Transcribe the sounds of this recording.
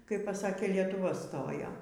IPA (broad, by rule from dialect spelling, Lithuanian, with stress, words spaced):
kɐɪp pɐˈsɑːkʲeː lʲiɛtʊˈʋɐ ˈstoːjoː